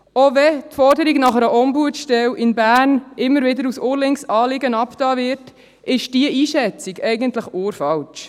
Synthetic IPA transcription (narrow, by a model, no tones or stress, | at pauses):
ovɛtfɔɾdəɾiɡnɑχəɾəʔɔmbuətʃtɛwʔɪnbæːrnʔɪmːəɾʋɪdəɾusʊːɾlɪŋsɑːlɪɡənɑptɑːvɪɾt | ɪʃd̥iəʔiːʃɛt͡siɡɛjɡəntləχoːɾfɑlt͡ʃ